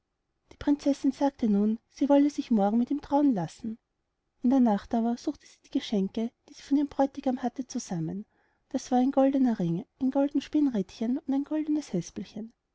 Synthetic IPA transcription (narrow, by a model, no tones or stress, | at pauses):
d̥iːpʁ̥ɪnt͡sɛsɪnzaːk̚tʰənuːnsiːvɔləzɪçmɔɐɡŋ̩mɪtiːmtʁ̥aʊənlasn̩ | ʔɪndeːɐnaχtaːbɐz̥uːxtə̥z̥iːd̥iːɡ̥əʃɛŋkəd̥iːziːfɔndeːmb̥ʁɔʏtɪɡ̥amhatət͡suz̥amən | d̥asv̥aːɐɛɪnɡɔldənɐʁɪŋʔæɪnɡɔldn̩ʃpɪnʁɛtçənʊndæɪnɡ̥ɔldənəshɛspl̩çən